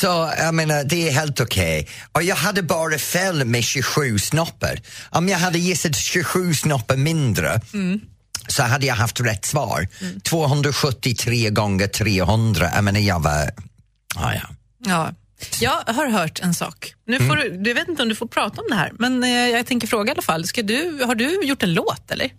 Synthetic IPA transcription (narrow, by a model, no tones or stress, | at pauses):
sɔjaɪmeːnəd̪ɛæɦeːlt̪ʊkʰɛɪ | ʔɔjɑːɡɦad̪ːəbɑːɾəfeːlmɛɕʉɧʉ̟ːsnɔpːə̰ɾʔɔmjaɦad̪ːəjɪsːət̪ɕʉɧʉ̟ːsnɔpːəɾmɪnd̪ɾə̰ | sɔɦad̪ːəjaɪɦaft̪ɾɛt̪ːsvɑ̰ːɾt̪ʰv̥oːɦɵnd̪ɾaɧɵt̪ːɪt̪ʰɾeːɡɔŋːəʈʰɾeːɦɵnd̪ɾa̰ʔɛ̰ɪmɛːnajɑːva̰ | ɑ̰ːjɑ̰ | ɑː | jɑːɡɦaɾɦœːʈʰɛnsɑ̰ːknʉ̟ːfoːɖɵd̪veːt̪ɪnt̪ɔmd̪ɵfoːɾpʰɾɑːt̪aɔmd̪ɛhæ̰ːɾmɛnjɑːɡt̪ʰɛŋkəɾfɾoːɡaalːafalːskad̪ɵhaɖɵjʊʈːɛnloːt̪ɛ̰lːə̰ɾ